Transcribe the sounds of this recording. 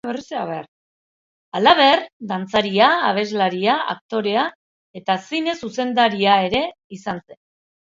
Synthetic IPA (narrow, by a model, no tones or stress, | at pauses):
βeriseaβeɾ | alaβ̞e̞ɾd̪ant͡saɾiaːβe̞zlaɾiaa̰k̚t̪o̞ɾe̞a | e̞t̪asine̞suse̞nd̪aɾiae̞ɾe̞ | isanse̞n